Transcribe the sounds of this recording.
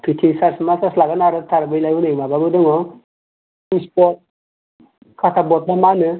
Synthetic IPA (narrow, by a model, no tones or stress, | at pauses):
pʰitʰisaɾsmasaslaɡanaɾɯt̪ʰaɾbəjlajunaimababɯdɯŋɔ | ispɔt̚ | kʰat̪ʰabɔt̪̚damanɯ